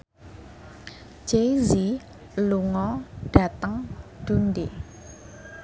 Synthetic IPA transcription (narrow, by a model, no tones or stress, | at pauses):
d͡ʒezi | luŋɔɖ̥a̤t̪əŋd̪̥unde